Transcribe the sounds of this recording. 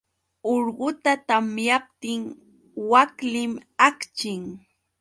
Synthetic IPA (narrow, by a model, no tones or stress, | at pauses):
oɾɢʊt̪at̪amjap̚t̪ɪŋ | waklɪmakt͡ʃɪŋ